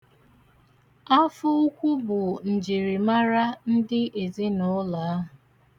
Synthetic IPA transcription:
a˦fʊ˦ʊ˦kʷʊ˦bʊ˨n̩˨d͡ʒi˨ɾi˨ma˦ɾa˦n̩˦dɪ˦ʔe˨zi˦nʊ˦la˨a˦ɦʊ˨

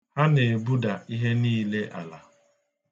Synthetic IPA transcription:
ha˦ne˨bu˦da˨i˦ɦe˦niː˦le˦ʔa̰˨la˨

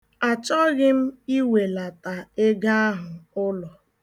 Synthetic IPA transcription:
a˨t͡ʃɔ˦ɣɪ˦m̩˦i˦we˨la˨ta˨e˦ɡa˦a˦ɦʊ˨ʊ˦lɔ˨

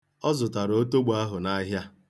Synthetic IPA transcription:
ɔ˦zʊ˨ta˨ɾo˦to˦ɡ͡ba˦ɦʊ˨na˦ɦja˦

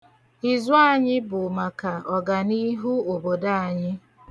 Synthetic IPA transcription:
ɪ˨zʊ˦a˦ɲɪ˦bʊ˨ma˨ka˨ɔ˨ɡa˨ni˦ɦu˦o˨bo˨da˦a˨ɲɪ˦

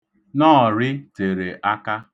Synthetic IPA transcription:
nɔ˦˨ɾɪ˦te˨ɾe˨ʔa˦ka˦

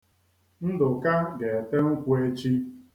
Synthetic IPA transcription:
n̩˦dʊ˨ka˦ɡe˨te˦ŋ̩˦kʷu˦e˦t͡ʃi˦

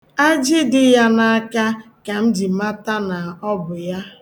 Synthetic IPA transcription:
a˦d͡ʒe˦dɪ˦ja˦na˦a˦ka˦ | ka˨m̩˦d͡ʒi˨˦ma˦ta˦na˨ɔ˦bʊ˨ja˦

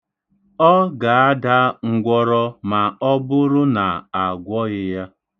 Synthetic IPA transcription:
ɔ˦ɡa˨a˦da˦ŋ̩˨ɡʷɔ˦ɾɔ˦ma˨ɔ˦bʊ˦ɾʊ˦na˨a˨ɡʷɔ˦ɣɪ˦ja˦

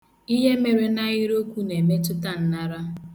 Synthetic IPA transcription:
i˦ɦe˦me˨ɾe˦na˦ɣɪ˦ɾo˦kʷu˦ne˨me˦tʊ˦ta˦n̩˨na˦ɾa˦

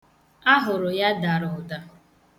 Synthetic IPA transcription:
a˦ɦʊ˨ɾʊ˨ja˦da˨ɾʊ˨da˦

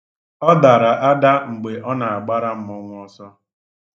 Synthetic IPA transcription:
ɔ˦da˨ɾa˨ʔa˦da˦ŋ͡m̩˨ɡ͡be˨ʔɔ˦na˨a˨ɡ͡ba˦ɾa˦m̩˦mɔ˦˨ŋʷ˨ɔ˨sɔ˦

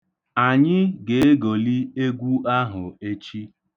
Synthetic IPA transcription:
a˨ɲɪ˦ɡe˨e˦ɡo˨li˦e˦ɡʷu˦ʔa˦ɦʊ˨e˦t͡ʃi˦

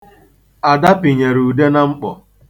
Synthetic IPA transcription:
a˨da˦pi˨ɲe˨ɾu˨de˦na˦ŋ͡m̩˦k͡pɔ˨

